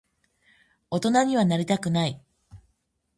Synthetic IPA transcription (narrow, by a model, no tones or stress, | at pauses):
o̞t̪o̞naɲ̟iβ̞anaɾʲit̪akɯ̟nai